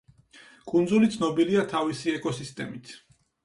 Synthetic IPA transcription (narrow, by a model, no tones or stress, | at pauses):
kʼund̪zulit̪sʰnɔbiliat̪ʰavisiɛkʼɔsist̪ʼɛmit̪ʰ